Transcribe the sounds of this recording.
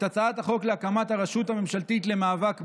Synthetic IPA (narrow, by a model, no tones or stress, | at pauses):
tot͡saat̪aχo̞kleakamat̪haʁaʃutame̞mʃalt̪it̪le̞maːvak